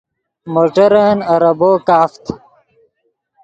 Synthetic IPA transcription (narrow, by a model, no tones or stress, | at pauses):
moːʈɐɾənɐɾɐboːkaːft̪